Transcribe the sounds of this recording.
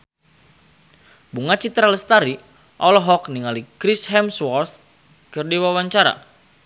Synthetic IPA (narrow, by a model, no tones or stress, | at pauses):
buŋat͡ʃit̪ɾaləst̪aɾi | ʔɔlɔɦɔkniŋalikɾisɦɛmswɔrt̪̚ | kərdiwawaɲt͡ʃaɾa̰